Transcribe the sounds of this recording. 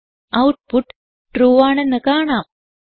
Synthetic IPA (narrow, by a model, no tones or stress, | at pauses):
ɐwʈ̚puʈ | ʈːɾuːʋaːɳɐnəkaːɳaːm